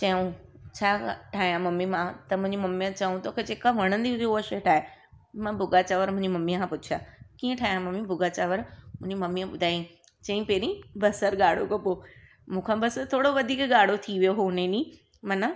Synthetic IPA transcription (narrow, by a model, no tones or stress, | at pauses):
t͡ɕɐjũt͡ɕʰaːʈʰaːɦijãmɐmːimãt̪ɐmʊ̃ɦɪ̃ɲd͡ʑimɐmːijãt͡ɕɐũt̪oːkʰed͡ʑeːkaʋɐɽ̃ə̃nd̪iʊd͡ʑouəʃeʈʰaːe | mãbʱʊɡat͡ɕaːʋəɾmʊ̃ɪ̃ɲd͡ʑimɐmiãkʰãpʊt͡ʃʰjaːkiːẽʈʰaːɦjãmɐmibʱʊɡat͡ɕaːʋəɾmʊ̃ɦɲd͡ʑimɐmːiãɓʊd̪ʱaːijĩ | t͡ɕɐ̃ĩpeːɾĩbɐsəɾɡaːɽ̤okopo | mũːkʰãbɐsəɾt̪ʰoːɽoʋɐd̪ʱiːkɠaːɽ̤ot̪ʰiʋijoɦʊnenĩ | mɐnə